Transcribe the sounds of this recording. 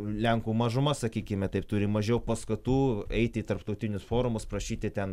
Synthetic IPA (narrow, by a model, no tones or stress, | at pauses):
lʲɛŋkuːmɐʒʊmɐsɐkʲiːkʲɪmʲɛt̪ɐɪp̚t̪ʊɾʲɪmɐʒʲɛʊpɐskɐt̪uːɛɪt̪ʲɪːt̪ɐɾpt̪ɐʊt̪ʲɪnʲʊsfoːɾʊmʊspɾɐʃʲiːt̪ʲɪt̪ʲɛn